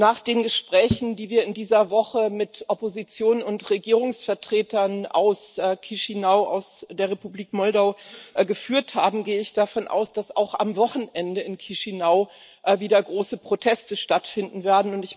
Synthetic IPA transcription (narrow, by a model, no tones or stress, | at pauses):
naːχd̥eːnɡəʃpʁ̥ɛːçn̩diːviːɐɪndiːzɐvɔχəmɪtʔɔpozit͡sjoːnnʊntʁeɡiːʁ̞ʊŋsfɛɐtʁ̥eːtɐnʔa̰ʊskʰiʃinaʊʔa̰ʊsd̥eːɐʁ̞epubliːkmɔldaʊɡəfyːɐthaːbm̩ɡeːəɪçd̥afɔnʔa̰ʊsd̥asa̰ʊxa̰mvɔχn̩ʔɛndəɪnkʰiʃinaʊ | ʔviːdɐɡʁoːsəpʁ̥otʰɛstəʃtatfɪndn̩veːɐdn̩ʊntɪç